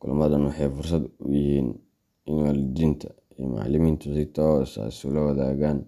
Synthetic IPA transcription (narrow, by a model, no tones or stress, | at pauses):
kʰʊlmɐðɐnwɑħɑjfʊrsɐd̪ʊ̰jɪhiːn | ɪnɔld̪int̪ʰɐ̥ | ima̰ʕlɪmiːnt̪ʰɐsɪt̪ʰɔsa̰sʊlɐwɐðaːɣaːn